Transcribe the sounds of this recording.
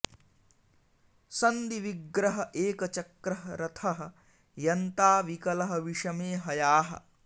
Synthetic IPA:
sɐnd̪iʋiɡɾɐɦɐʔeːkɐt͡ʃɐkɾɐɦɐɾɐt̪ʰɐɦɐ̆ | jɐnt̪aːʋikɐlɐɦɐʋiʂɐmeːɦɐjaːɦɐ̰̆

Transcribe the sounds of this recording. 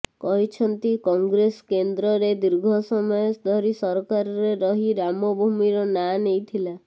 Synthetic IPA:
kɔɦit͡ʃʰɔnt̪ikɔŋɡɾeskend̪ɾɔɾed̪iɾɡʱɔsɔmɔjɔsd̪ʱɔɾisɔɾkaɾɔɾeɾɔɦiɾamɔbʱumiɾɔnanejt̪ʰila

